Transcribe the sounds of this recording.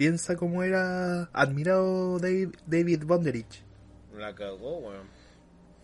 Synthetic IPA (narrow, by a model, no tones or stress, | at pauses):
pje̞nsako̞moe̞ɾaa̰ðmiɾaðoðed̪ejβiðβond̪eɾit͡ʃ | lakaɣowe